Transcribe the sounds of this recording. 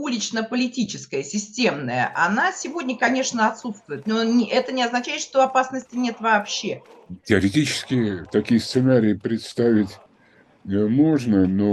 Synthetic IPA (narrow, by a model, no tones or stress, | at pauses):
ulʲɪt͡ɕnəpəlʲɪtʲit͡ɕɪskəjəsʲɪsʲtʲemnəjə̰ʔa̰nasʲɪvo̞dʲnʲəkɐnʲe̞ʂnəɐt̪sut̪st̪vʊjɪt̪nonʲɪʔɛt̪ənʲɪɐznɐt͡ɕæɪt̪ʂt̪oɐpasnəsʲtʲɪnʲe̞t̪vɐːpɕːe̞tʲɪɐɾʲɪtʲit͡ɕɪ̥skʲɪət̪ɐkʲijəst̪sɨnaɾʲɪjɪpɾʲɪt̪st̪avʲɪtʲ | mo̞ʐnəno